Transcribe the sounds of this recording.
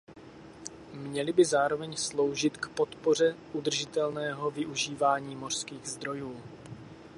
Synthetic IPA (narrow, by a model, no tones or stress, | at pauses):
mɲɛlɪbɪzaːɾovɛɲslo̞wʒɪt̪kpo̞t̪po̞r̝ɛʔud̪r̩ʒɪt̪ɛlnɛːɦo̞vɪʔuʒiːvaːɲiːmo̞r̝̥skiːɣzd̪ɾo̞juː